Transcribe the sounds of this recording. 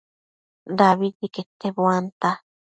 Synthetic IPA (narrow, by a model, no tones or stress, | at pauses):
d̪aβiʎiket̪ːeβwant̪a